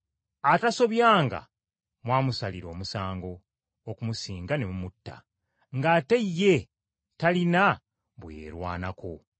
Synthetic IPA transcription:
ataso̞βjaːŋɡa̰ | mwaːmusaliɾo̞ːmusaːŋɡo̞ | okumusiːŋɡane̞mumutːa̰ | ŋɡate̞jːe̞ | talina | βwḛːɾwa̰ːnakʰo̞

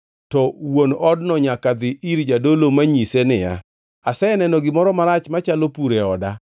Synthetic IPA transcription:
tɔwonɔdnɔɲakad̪ɪʔiɾd͡ʒadolomaɲisenɪja̰ | asɛnɛnɔɡɪmɔɾɔmaɾat͡ʃmat͡ʃalopuɾeɔda

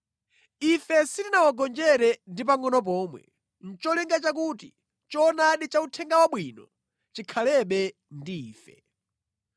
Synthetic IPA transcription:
ifɛsitinawaɡɔnd͡ʒɛɾɛndipaŋɔnɔp̬ɔːmwɛ̰ | n̩t͡ʃɔliŋɡat͡ʃak̬uːtḭ | t͡ʃɔːnaɗit͡ʃautʰɛŋɡawaɓwinɔ | t͡ʃikʰalɛɓɛ | ndiːfɛ

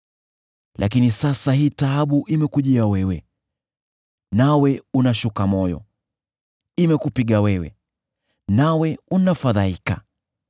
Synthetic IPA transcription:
lʔa̰kinisasaɦiːtaaɓuʔimɛkuʄiawɛwɛ | nawɛunaʃukamɔjɔ̰ | imɛkupiɠawɛwɛ̰ | nawɛunafaðaika̰

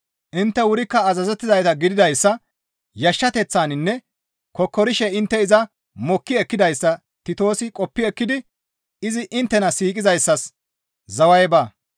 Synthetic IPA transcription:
ʔɪnt̪ːɛwʊɾɪkːɐːzɐzɛt̪ːɪzɐjt̪ɐɡɪd̪ɪd̪ɐjsːɐ | jɐʃːɐt̪ɛt͡sːaːnɪnːɛ | kɔkːɔɾɪʃɛɪnt̪ːɛɪzɐ | mɔkːɪɛkːɪd̪ɐjsːɐ | t̪ɪt̪o̞ːsɪkʼɔpːɪɛkːɪd̪ɪ | ɪzɪʔɪnt̪ːɛnɐsiːkʼɪzɐjsːɐs | zɐwɐjbaː

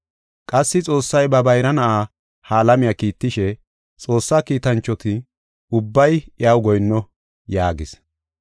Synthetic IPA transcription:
kʼɐsːɪt͡sʼo̞ːsːɐjbɐbɐjɾɐnɐʔaː | haːlɐmɪjakiːt̪ːɪʃɛ | t͡sʼo̞ːsːaːkiːt̪ɐnt͡ʃːɔt̪ɪ | ʊbːɐjjɐwɡɔjnːɔ | jaːɡɪs

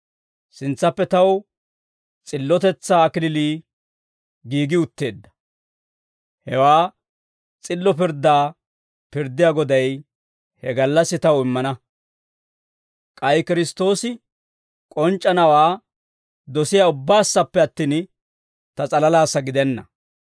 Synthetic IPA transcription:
sɪnt͡sːɐpːɛt̪ɐw | t͡sʼɪlːɔt̪ɛt͡sːaːkɪlɪliː | ɡiːɡɪʊt̪ːe̞ːd̪ːɐ̥ | hɛwaː | t͡sʼɪlːɔp̬ɪɾd̪aː | pɪɾd̪ɪjaːɡɔd̪ɐj | hɛɡɐlːɐsːɪt̪ɐwɪmːɐnɐ | kʼɐjkɪɾɪst̪o̞ːsɪ | kʼɔnt͡ʃʼːɐnɐwaː | d̪ɔsɪjaːʊbːaːsːɐpːɛɐt̪ːiːn | t̪ɐt͡sʼɐlɐlaːsːɐɡɪd̪ɛnːɐ̰

